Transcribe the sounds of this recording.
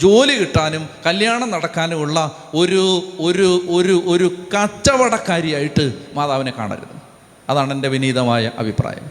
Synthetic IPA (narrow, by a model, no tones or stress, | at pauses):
d͡ʑo̞ːlikiʈːaːnumkɐljaːɳɐmnɐɽɐkːaːnuuɭːɐ | o̞ɾuoɾuoɾuʔo̞ɾukɐt͡ɕːɐʋɐɽɐkːaːɾjɐjaːjiʈːɨmaːðaːʋine̞ka̰ːɳa̰ːɾṵnːu | ɐðaːɳende̞ʋiniːðɐmaːjɐʔɐ̰bʱipra̰ːjɐ̰m